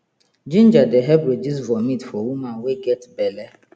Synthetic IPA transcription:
d͡ʒĩnd͡ʒadeɦɛbɾed͡ʒizvɔmĩtfɔwumãweɡɛtbɛlɛ

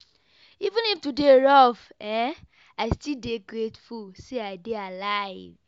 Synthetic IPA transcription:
ivũniftudeɹɔvɛ̃ | aɪstildeɡɾetfulseaɪdealaɪv

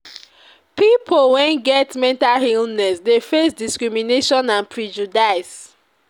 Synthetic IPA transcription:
pipʰolwɛ̃nɡɛtmɛ̃ntalhilnɛsdefesdiskɹimineʃɔ̃nãnpʰɹid͡ʒudaɪs

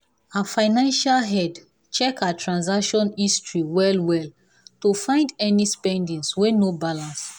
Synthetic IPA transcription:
afaɪnãnʃalɦɛd | t͡ʃɛkatʰɹãnzakʃɔ̃nistʰɹiwɛlwɛl | tufãɪ̃ndɛnispɛ̃ndĩŋswɛnobalãns

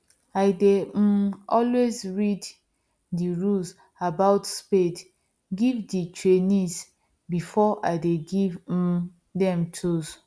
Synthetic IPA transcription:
aɪde | ɔlwezɹid | diɹuls | abaʊtsped | ɡivditɹenis | bifɔʔaɪdeɡiv | dɛ̃mtʰus

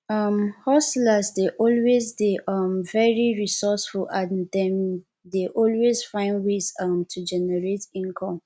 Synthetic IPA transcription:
ʌmhɔstlazdeʔɔlwezdeʔʌmvɛɹiɹisɔsfulãndɛ̃m | deʔɔlwez̥fãɪ̃ndwezʌmtʰud͡ʒɛnɛɹetĩŋkʰɔ̃m

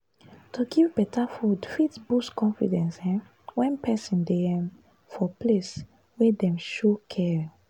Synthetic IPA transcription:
tʰuɡivbɛtʰafudfitbuskɔ̃nfḭdɛ̃nsɛ̃ | wɛ̃npʰɛsĩndeɛm | fɔples | wɛdɛ̃mʃokʰɛɹ

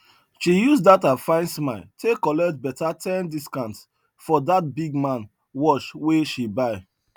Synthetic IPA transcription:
ʃijusdatafãɪ̃nsmaɪltʰekːɔlɛk̚t̚bɛtatʰɛ̃ndiskãnts | fɔdat̚biɡmãn | wɔʃweʃibaɪ

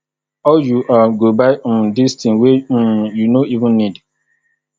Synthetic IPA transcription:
ɔljuʔaɡobaɪ̃distĩnwejunoivũnːid

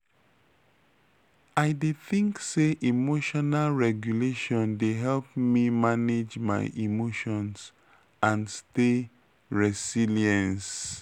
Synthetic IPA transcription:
aɪdeθĩŋkseʔimoʃɔnalɹɛɡjuleʃɔ̃ndeɦɛlpmimaned͡ʒma̰ɪʔimoʃɔ̃ns | ãnste | ɹɛsiliɛ̃ns

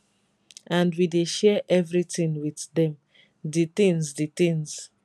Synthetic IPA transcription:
ãndwideʃɛʔɛvɹitĩnwiθdɛ̃m | ditĩnsditĩns

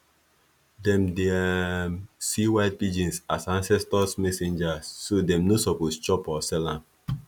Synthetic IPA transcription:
dɛ̃mdemsiwaɪd̚pid͡ʒĩnsasãnsɛstɔsmɛsẽnd͡ʒasːodɛ̃mnosɔpost͡ʃɔpɔsɛlãn

